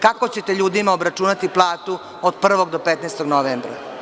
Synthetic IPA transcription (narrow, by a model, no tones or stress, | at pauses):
kako̞t͡ɕet̪eʎuːd̪imaobɾat͡ʃuːnat̪iplˠaːt̪u | od̪̚pr̩ʋo̞ɡd̪opet̪neːst̪oɡnoʋembɾa̰